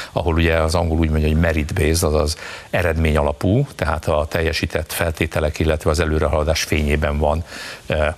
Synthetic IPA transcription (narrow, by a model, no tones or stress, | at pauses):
ɒ̰ɦo̞luɟɛɒzɒŋɡoluːɟmo̞ɲɟɒɦoɟmɛɾid̪beːzɒzɒzɛɾɛd̪meːɲɒlɒpuːt̪ɛɦaːt̪ɒt̪ɛjːɛʃiːt̪ʰɛt̪ːfɛlt̪eːt̪ɛlɛkilːɛt̪ʋɛɒzɛløːɾɛɦɒlɒd̪aːʃfeːɲeːbɛɱvɒn